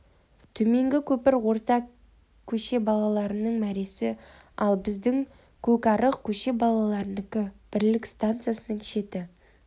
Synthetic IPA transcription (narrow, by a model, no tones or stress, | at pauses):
t̪ʰɵme̞ŋɡʲɪkʲʰɵpɪɾwo̞ɾt̪ɑ | kʲʰːɵʃe̞bɑlˠɑlˠɑɾənəɴmæɾe̞sɪ | ɑlˠbɪzd̪ɪŋ | kʲʰɵkʲɑɾəqkʲʰɵʃe̞bɑlˠɑlˠɑɾnkʲɪb̥ɪɾlɪkst̪ant̪sɨjasənəɴʃe̞t̪ɪ